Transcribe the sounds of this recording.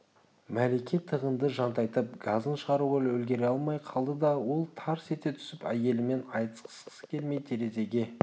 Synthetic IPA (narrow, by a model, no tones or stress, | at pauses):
mæle̞kʲʰet̪ʰəʁənd̪əʒɑnt̪ɑjt̪əp̚ɡɑzənʃəʁɑɾuʁolwɵlɡʲe̞ɾeɑlˠmɑjqʰɑlˠd̪əd̪ɑwo̞lˠt̪ʰɑɾse̞t̪e̞t̪ʰʏ̥sɪpæ̰je̞lɪme̞nɑjt̪ə̥sqʰə̥sqə̥sə̥kʲʰe̞lmej̪t̪ʰe̞ɾe̞ze̞ɡʲe̞